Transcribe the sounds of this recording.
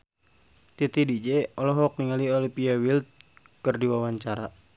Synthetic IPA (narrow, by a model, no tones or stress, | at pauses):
t̪it̪idid͡ʒɛɔlɔɦɔk̚niŋaliolipiawilt̪̚ | kɨrdiwawaɲt͡ʃaɾa